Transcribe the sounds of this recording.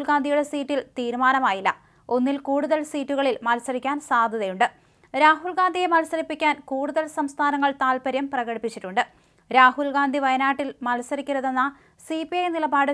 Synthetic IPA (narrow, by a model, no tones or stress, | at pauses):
lɡaːnd̪ʱijuɽe̞siːtːilt̪iːɾumaːnɐmaːjilːɐ̰ | o̞nːilkuːɽuðɐlsiːtːuɣɐɭilmɐlsɐɾikʲːaːnsaːd̪ʱɐðɐjuɳɖɨ | ɾaːɦulɡaːnd̪ʱije̞mɐlsɐɾipːikʲːaːnkuːɽuðɐlsɐmst̪ʰaːnɐŋːɐɭt̪aːlpɐɾjɐmprɐɣɐɽipːit͡ɕːiʈːuɳɖɨ | ɾaːhulɡaːnd̪ʱiʋɐjɐnaːʈːilmɐlsɐɾikʲːuɾɐðenːɐ | sipijɐjnilɐbaːɽɨ